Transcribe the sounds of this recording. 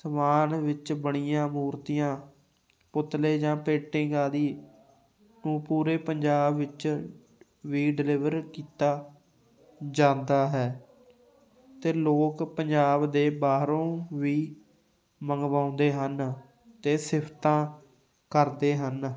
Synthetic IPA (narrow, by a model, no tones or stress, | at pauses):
səmaːnʋɪt͡ʃbəɳiːjãːmuːɾt̪ijãː | pʊt̪leːd͡ʒãːpeːʈɪ̃ŋɡaːd̪iː | nũːpuːɾeːpəɲd͡ʒaːbʋɪt͡ʃ | ʋiːɖɪlɪʋəɾkiːt̪aː | d͡ʒãːnd̪aːɦɛː | t̪eːloːkpəɲd͡ʒaːbd̪eːbaːɦɾõːʋiː | məŋɡʋãːʊ̃nd̪eːɦən | t̪eːsɪpʰt̪ãː | kəɾd̪eːɦən